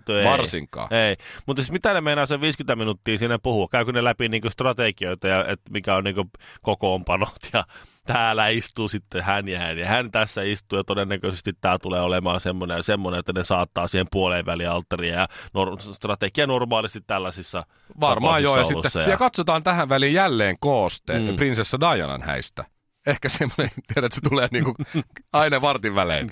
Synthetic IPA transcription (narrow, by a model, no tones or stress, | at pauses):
t̪eɑrsḭŋkːˑɑ̰ːeimut̪siːsmit̪ænemeinɑːseʋʋiːskynt̪æminut̪ːiːnsinːeppuhuɑkkæykønelæpiniːŋkøst̪rɑt̪ekioit̪ɑjɑet̪mikæonniːŋkøkokoːmpɑnot̪jɑt̪æːlæist̪uːsit̪ːehænjæhænjɑhænt̪æsːæist̪uːjɑt̪odenːækøsest̪it̪t̪æːt̪uleːolemɑːnsemːoneɑsemːoneet̪ːænesɑːt̪ːɑːsiːhempuoleʋʋæliɑlt̪ːɑriɑjɑnorst̪rɑt̪ekiɑnormɑːlist̪it̪t̪ælːæsisːɑ | ʋɑrmɑːijosːɑosilusːsːɑjjɑkɑt̪sot̪ɑːnt̪æhæʋʋælijjælːeːŋkoːst̪ḛprinsesːædɑiɑ̰nɑ̰nhæ̰ist̪æ̰ | ehkæsemːonent̪ieɾæt̪set̪uleːniːŋkuɑinɑʋɑrt̪iʋʋælḛː